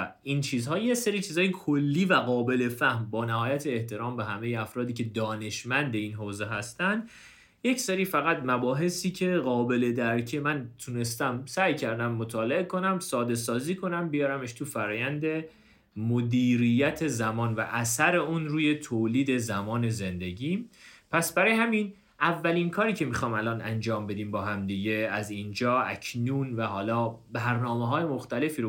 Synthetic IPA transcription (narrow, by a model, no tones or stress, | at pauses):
int͡ʃʰiːzhɒːjeseɾiːt͡ʃʰiːzɒːjekʰolːiːvæɣɒːbe̞le̞fæhmbɒːnæɦɒːjæt̪ʰeːht̪ʰe̞ɾɒːmbeɦæme̞jeæfɾɒːd̪iːcʰe̞d̪ɒːne̞ʃmænd̪e̞iːnɦoːze̞ɦæst̪ænd̪ | je̞cʰseɾiːfæɣæt̪mæbɒːɦe̞siːcʰe̞ɣɒːbe̞le̞d̪æɾcʰemænt̪ʰune̞st̪æmsæjcʰæɾd̪æmːo̞t̪ʰɒːle̞e̞kʰo̞næmsɒːd̪e̞sɒːziːkʰo̞næmbejɒːɾæme̞ʃt̪ʰufæɾɒːjænd̪e̞ | mod̪iːɾijæt̪ʰe̞zæmɒːnvæ̰ʔæsæɾe̞uːnɾuːje̞t̪ʰoːliːd̪e̞zæmɒːne̞ze̞nd̪e̞ɟiːmpʰæsbæɾɒːjehæmin | ʔævːæliːnkʰɒːɾiːcʰe̞mixɒjmælɒːnæ̰nd͡ʒɒːmbe̞d̪iːmbɒːɦæmd̪iɟe̞æzind͡ʒɒːæ̰cʰnuːnvæhɒːlɒːbæɾnɒːmeɦɒːje̞moxt̪æle̞fiːɾo